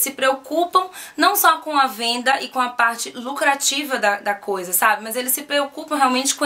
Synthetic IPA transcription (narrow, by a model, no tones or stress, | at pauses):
sɪpɾeokupɐ̃w̃nɐ̃w̃sɔkõɐvẽnd̪ɐʔɪkõɐpaɾt͡ʃɪlukɾat͡ʃivɐd̪ɐd̪ɐkojzɐsabɪmɐzelɪsɪpɾeokupɐ̃w̃ɦealwmẽnt͡ʃɪ̥kõ